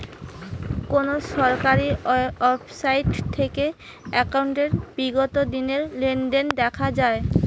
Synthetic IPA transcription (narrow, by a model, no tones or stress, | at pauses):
konoʃɔɾkaɾiɔbsajʈt̪ʰːeke | ɛkawɳʈeɾbiɡot̪od̪ineɾlenɖend̪ɛkʰad͡ʑae